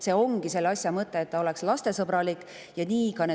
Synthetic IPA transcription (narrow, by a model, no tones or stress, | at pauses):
se̞o̞ŋɡ̥ise̞lːɑsʲjɑmɤt̪ːˑe̞ːt̪̚ːɑo̞le̞kslɑst̪e̞sɤbɾɑlikːˑ | jɑniːkɑne